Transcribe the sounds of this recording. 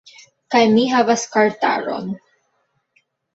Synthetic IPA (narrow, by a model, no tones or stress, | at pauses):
kajmiɦavaskaɾta̰ɾo̞̰n